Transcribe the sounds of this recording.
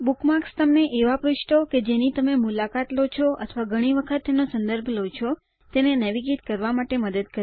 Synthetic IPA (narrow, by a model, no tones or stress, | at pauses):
bukmakst̪əmneʔeʋapɾʊʃʈoked͡ʒenit̪əmemulakat̪lot͡ʃʰoʔə̰t̪ʰʋaɡʱəɽ̃iʋəkʰət̪ːenosənd̪əɾbʱlot͡ʃʰo | t̪enenəʋiɡit̪kəɾʋamaʈeməd̪əd̪̚kəɾ